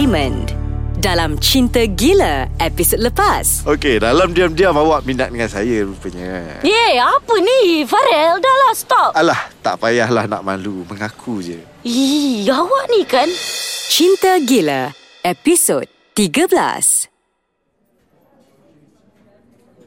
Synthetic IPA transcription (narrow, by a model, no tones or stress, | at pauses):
mə̃n | dalamt͡ʃint̪əɡiləɛpisod̚ləpasokedalamdiamdiamawaʔminaʔ̚dəŋansajaɾupəɲə̃jeapənĩfaɾɛldaʔlahst̪ɔp̚ʔalaht̪a̰ʔpajahlahna̰ʔmãluməŋakʰud͡ʒə | iawaʔnikant͡ʃint̪əɡilə | ɛpisod̚ | t̪iɡəbəla̰s